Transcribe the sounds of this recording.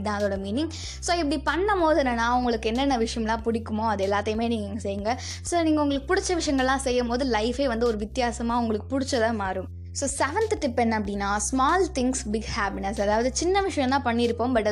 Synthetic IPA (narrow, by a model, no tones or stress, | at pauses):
d̪ãːɐðoːɽɐmiːnɪŋ | soːɪp̬ːɐɽipɐɳːɐmoːðɯnɐnãːʊŋɡɐɭɯkːɯɛnːɛnːɐʋɪʂɐjɐmlãːpʊɽɪkːɯmõːɐðɯɛlːaːt̪ːɐjmeːniːŋɡɐŋɡɐsɛjːɯŋɡɐ | soːniːŋɡɐʊŋɡɐɭɯkːɯ̥pʊɽɪt͡ʃːɐʋɪʂɐjɐŋɡɐɭlːãːsɛjːɐmpoːðɯlɐɪfeːʋɐnd̪ɯɔɾɯʋɪt̪ːjaːsɐmaːʊŋɡɐɭɯkːɯ̥pʊɽɪt͡ʃːɐt̪ãːmaːɾɯm | soːsɛʋɛnt̪ʈɪpːɛnːɐpːɐɽɪnːaːsmaːlt̪ɪŋɡsbɪɡhaːpɪnɐsɐðaːʋɐðɯt͡ʃɪnːɐʋɪʂɐjɐ̃mlãːpɐɳːɪɾɯpːoːmbɐʈːɐ